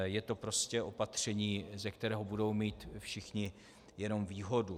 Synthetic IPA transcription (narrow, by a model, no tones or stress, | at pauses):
jɛt̪o̞pɾo̞scɛʔo̞pat̪r̝̥ɛɲiːzɛkt̪ɛɾɛːɦobudo̞wmiːt̪fʃɪxɲɪ | jɛno̞mviːɦo̞du